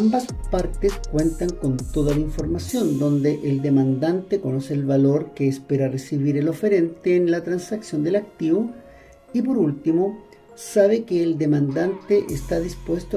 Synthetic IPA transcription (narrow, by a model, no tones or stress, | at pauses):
mbaspaɾt̪eskwe̞nt̪aŋko̞nt̪o̞ðalaiɱfo̞ɾmasjo̞nd̪o̞nd̪eʔeld̪emand̪ant̪eko̞no̞seːlβalo̞ɾkeːspeɾaresiβiɾelo̞feɾe̞nt̪eːnlat̪ɾansaksjo̞nd̪elak̚t̪iβo | ip̬o̞ɾult̪imo̞ | saβ̞ekeːld̪emand̪ant̪eʔest̪aðispwest̪o